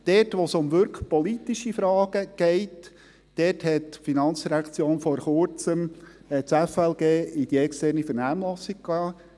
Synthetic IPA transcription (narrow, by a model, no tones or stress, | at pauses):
d̥ɛtʋɔsʊmʋʏɾkχpɔlit̪iʃifɾɑːɡ̥əɡ̥ɛɪt | d̥ɛthɛtːfinɑnt͡sdiɾækt͡sjoːnfɔɾχʊɾt͡səm | t͡sɛfɛlɡeːɪd̥iɛkstɛrnifəɾnæːmlɔsik̚kɑː